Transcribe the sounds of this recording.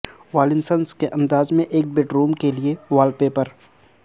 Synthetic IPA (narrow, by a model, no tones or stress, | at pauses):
ʋaːlɪnsənskeʔɐ̃nd̪aːzmẽʔeːk̚beʈɾuːmkelieʋaːlpepɐɾ